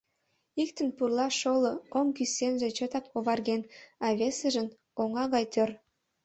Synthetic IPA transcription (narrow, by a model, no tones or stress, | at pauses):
ikt̪ənpurlɑʃolooŋkysenʒet͡ɕot̪ɑkoβɑrɣenɑβesəʒə̆n | oŋɑɣɑjt̪ør